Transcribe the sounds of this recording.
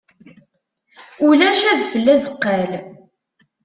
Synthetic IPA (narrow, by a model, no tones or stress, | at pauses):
ulæʃæðfəlːæzəqːæl